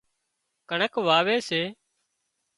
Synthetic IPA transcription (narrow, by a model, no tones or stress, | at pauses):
kəɳəkʋaːʋeːseː